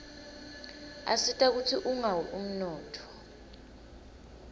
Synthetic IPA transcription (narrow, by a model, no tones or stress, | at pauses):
a̰sitʼak̬utʰiʔuŋawɛʔum̩nɔːtʰɔ̥